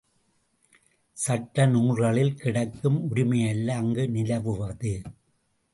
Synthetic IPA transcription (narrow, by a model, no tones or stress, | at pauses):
sɐʈːɐnuːrɣɐɭɪlkɪɽɐkːɯmʊɾɪmɐjɐlːɐːŋɡɯnɪlɐʋɯʋɐðɯ